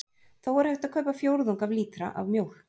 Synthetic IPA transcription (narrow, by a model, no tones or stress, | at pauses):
θawvaɾ̥heht̪aðkʰœɥpafjowɾðuŋkavliːt̪ɾa̰ʔa̰vmjowl̥